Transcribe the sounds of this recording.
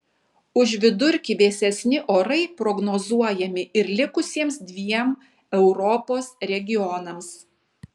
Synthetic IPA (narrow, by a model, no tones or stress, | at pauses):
ʊʒʋʲɪd̪ʊɾʲkʲiʋʲeːsʲɛsʲnʲɪʔoːɾɐɪpɾɔɡnoːzuɔjɛmʲɪʔɪɾlʲɪkʊsʲiɛmsd̪ʲʋʲiɛm | ɛʊɾɔpoːsɾʲɛɡʲɪɔnɐms